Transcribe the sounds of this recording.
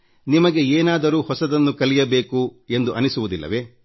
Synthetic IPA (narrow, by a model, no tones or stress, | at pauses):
nimɐɡe̞eːnaːd̪ɐɾuːhɔsɐd̪ɐnːukɐlijɐbe̞ːkue̞nd̪uʔɐnisuʋud̪ilːɐ̰ʋe̞ː